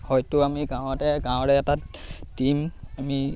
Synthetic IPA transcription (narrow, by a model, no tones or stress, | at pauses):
hɔjtʊamiɡãwtɛɡãw̃ɹɛːtatimami